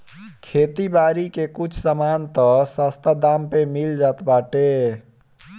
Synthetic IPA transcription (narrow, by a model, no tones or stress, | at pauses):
kʰeːt̪ibaːɾikekut͡ʃʰsəmaːnt̪əsast̪ad̪ampemild͡ʒaːt̪baːʈe